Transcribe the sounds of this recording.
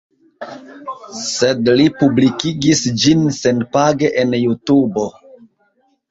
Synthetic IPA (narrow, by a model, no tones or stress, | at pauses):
se̞dlipublikiɡisd͡ʒinsenpaɡe̞ʔenjutubo̞